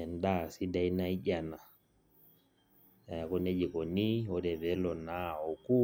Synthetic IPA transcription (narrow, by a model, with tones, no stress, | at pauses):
ɛ˨nda˦si˦da˦jna˦iɟa˨na˨ | a˨a˨kɔ˦ne˦d͡ʒi˨kɔ˨ni˦ɔ˦dɛ˨bɛ˦lɔ˨na˦ɔ˨ku˦